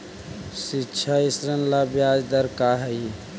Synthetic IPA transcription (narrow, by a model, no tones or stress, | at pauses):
sitːt͡ʃʰaisɾənlabjad͡ʒd̪əɾkaɦəi